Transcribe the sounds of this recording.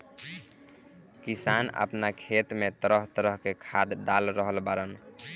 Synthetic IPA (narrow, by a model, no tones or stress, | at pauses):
kisanə̰pnakʰet̪met̪əɾəɦt̪əɾəɦkekʰad̪ɖalɾəɦəlbaɾən